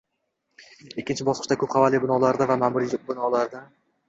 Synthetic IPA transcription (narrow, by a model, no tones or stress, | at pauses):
ekʲːɪnt͡ʃʰɪbɒsqɨ̥ʃt̪akʰɵp̚qʰavalːibɪnɒlaɾd̪avamamʊɾibɪnɒlaɾd̪a